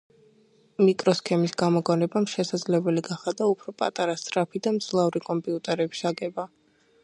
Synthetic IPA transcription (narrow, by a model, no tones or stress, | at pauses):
mikʼɾɔskʰɛmisɡamɔɡʼɔnɛbamʃɛsad̪zlɛbɛliɡaχad̪aupʰɾɔpʼa̰t̪ʼaɾast̪ʼɾapʰid̪amd̪z̥lˠavɾikʼɔmpʼiut̪ʼɛɾɛbi̥saɡɛba